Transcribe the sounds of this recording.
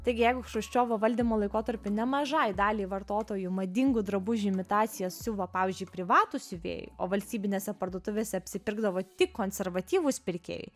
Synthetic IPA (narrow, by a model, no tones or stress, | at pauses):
t̪ɐɪɡʲɪjɛɪɡʊʃɐʊʃʲt͡ʃʲoːʋoʋɐlʲd̪ʲiːmoːlˠɐɪkoːt̪ɐɾʲpʲʊnʲɛmɐʒɐɪd̪ɑːlʲiːʋɐrt̪oːt̪oːjʊmɐd̪ʲɪŋɡʊd̪ɾɐbʊʒʲɪmʲɪt̪ɑːt̪sʲɪjɛssʲʊʋɐpɑːʋʲiːzʲd͡ʒʲʊɪpʲɾʲɪʋɑːt̪ʊsʲʊʋʲḛːjʊ̰o̰ːʋɐlʲst̪ʲiːbʲɪnʲeːsʲɛpɐrd̪oːt̪ʊʋʲeːsʲɛɐpʲsʲɪpʲɪrɡd̪ɐʋoːt̪ʲɪkkːoːnʲsʲɛɾʋɐt̪ʲiːʋʊspʲɪɾʲkʲḛːjʊ̰